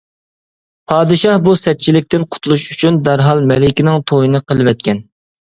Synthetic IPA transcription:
pʰɑːd̪ɨʃɑhbusɛt͡ʃʰilɪk̚ʲt̪ɪnqʰʊ̥t̪ʰulˠuʃyt͡ʃʰynd̪æɾɦɑlˠmɛlɪkʲɪnɪŋt̪ʰojinɨqʰəlˠɨvɛt̪̚kʲʰɛn

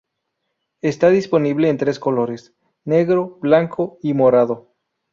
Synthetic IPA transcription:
est̪aðispo̞niβleːnt̪ɾe̞sko̞lo̞ɾe̞s | ne̞ɣɾo̞blaŋkʰoimoɾaðo̞

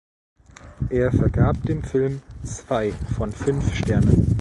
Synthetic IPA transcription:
ʔeːɐfɛɐɡaːp̚d̥eːmfɪlmt͡sv̥aɪfɔnfʏnfʃtɛɐnən

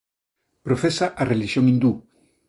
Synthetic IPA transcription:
pɾofesaʔareliʃjoŋĩnd̪u

